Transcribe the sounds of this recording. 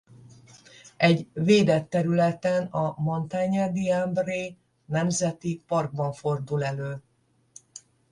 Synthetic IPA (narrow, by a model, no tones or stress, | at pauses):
ɛɟveːd̪ɛt̪ːɛɾylɛt̪ɛnɒmo̞nt̪aɲɛd̪iambreː | nɛmzɛt̪ipɒrɡ̚bɒɱfo̞rd̪ulɛløː